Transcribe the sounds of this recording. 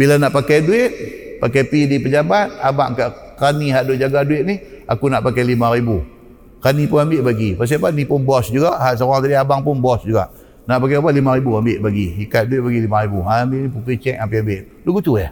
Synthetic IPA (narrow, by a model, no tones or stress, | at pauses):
bilanaʔpakajduɪt̪̚pakajpidipəd͡ʒabat̪̚abaʔŋkaʔkɾaniɦaʔdʊʔd͡ʒaɡaduɪt̪̚nihʔa̰kunaʔpakajlimãɾibu | kanipʊnambɪʔbaɡipas̬iapanipʊnbɔsd͡ʒuɡaʔɦaʔs̬əuaŋt̪adiabaŋpʊnbɔsd͡ʒuɡa̰ʔ | naʔpakajapalimaɾibuambɪʔbaɡiikat̪̚duɪt̪̚baɡilimaɾibuaambɪʔnipukit͡ʃɛkampiambɪʔ | luɡut̪ua̰h